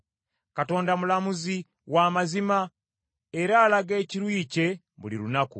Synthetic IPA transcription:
kato̞ːndamulamuzi | wamazima | eɾaːlaɡe̞ːciɾwiːce̞ | bulḭɾunakṵ

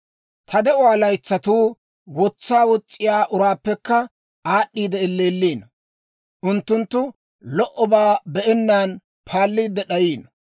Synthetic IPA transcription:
t̪ʰɐd̪ɛʔʊaːlɐjt͡sːɐt̪uː | wɔt͡sːaːwɔt͡sʼːɪjaːʔʊɾaːpːɛkːɐ | aːɗːiːd̪ɛɪlːeːlːiːn | ʔʊnt̪ːʊnt̪ːʊ | lɔʔɔbaːbɛʔɛnːaːn | pʰaːlːiːd̪ːɛɗɐjiːn

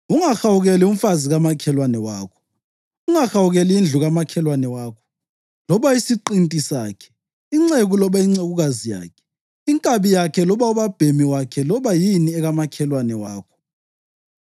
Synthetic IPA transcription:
uŋaxawuɣɛlium̩faziɣamakʰɛlwanɛwaːkʰɔ̥ | uŋaxawuɣɛliind͡ɮʱuɣamakʰɛlwanɛwaːkʰɔ̥ | lɔβaisiǃintʼisaːkʰɛ̥ | iŋ͡ǀeɣulɔβaiŋ͡ǀeɣuɣazija̰ːkʰɛ̥ | iŋkʼaβijakʰɛlɔβauβab̥ʱemiwakʰɛlɔβajiniɛɣamakʰɛlwanɛwa̰ːkʰɔ̥

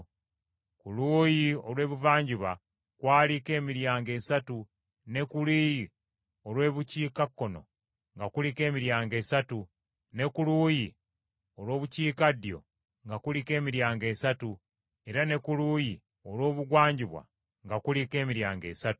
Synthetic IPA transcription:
kuluːjiolwe̞ːβuvaːɲɟiβa | kwaːlike̞ːmiɾjaːŋɡe̞ːsatu | ne̞kuliːji | o̞lwe̞ːβuciːkakːo̞no̞̰ | ŋɡakulike̞ːmiɾjaːŋɡe̞ːsatu | ne̞kuluːji | olwo̞ːβuciːkadjo̞̰ | ŋɡakulike̞ːmiɾjaːŋɡe̞ːsatu | e̞ɾane̞kuluːji | olwo̞ːβuɡwaːɲɟiβwa̰ | ŋɡakulike̞ːmiɾjaːŋɡe̞̰ːsatu̥

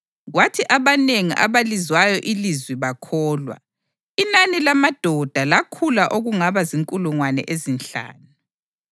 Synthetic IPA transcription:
ɣwatʰiʔaβaneŋiʔa̰βalizwajɔʔilizwiβakʰɔːlwa̰ | inanilamad̥ʱɔd̥ʱalakʰulaʔoɣuŋaβaziŋkʼuluŋwanɛ̰ʔezinɬa̰ːnu

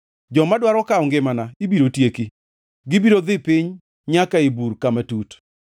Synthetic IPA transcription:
d͡ʒɔmadwaɾɔkaɔŋɡɪmanaibiɾotjeki | ɡɪbiɾod̪ɪpɪɲ | ɲakaibuɾkamatut

